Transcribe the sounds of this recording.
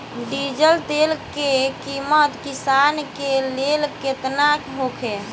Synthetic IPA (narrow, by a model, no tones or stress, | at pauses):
ɖid͡ʒəlt̪elkekimət̪kisankelelket̪nakɦokʰe